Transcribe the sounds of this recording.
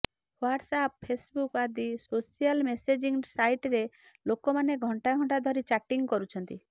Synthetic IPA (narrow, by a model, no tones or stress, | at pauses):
waʈsap̚pʰesbukad̪isosijalmesed͡ʒiŋsajʈɾe | lokomaneɡʱɔɳʈaɡʱɔɳʈad̪ʱɔɾit͡ʃaʈiŋkɔɾut͡ʃʰɔnt̪i